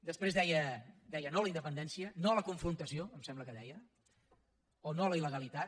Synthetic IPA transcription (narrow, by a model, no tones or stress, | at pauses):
d̪əspɾezðɛjəd̪ɛjənoləind̪əpənd̪ɛnsiənoələkuɱfɾunt̪əsioəmsɛmbləkəðɛjə | onoləiləɣəlit̪at̪